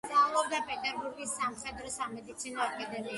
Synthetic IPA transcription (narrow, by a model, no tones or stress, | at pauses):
t̪ʼaulˠɔbd̪apʼɛd̪aɡuɾɡisːamχɛd̪ɾɔsamɛd̪it̪sʰinɔakʼad̪ɛmi